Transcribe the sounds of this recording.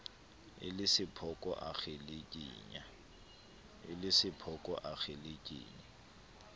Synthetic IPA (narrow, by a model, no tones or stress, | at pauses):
ɪ̰lɪsɪpʰɔkʼɔʔa̰χelekʼiːɲa | ɪ̰lɪsɪpʰɔkʼɔʔak͡xelekʼḭːɲa